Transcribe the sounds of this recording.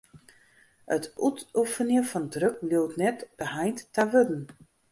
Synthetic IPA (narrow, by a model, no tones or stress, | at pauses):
ətutufənjəfɔndrøkluwtnɛtb̥əhajntːaʋødn̩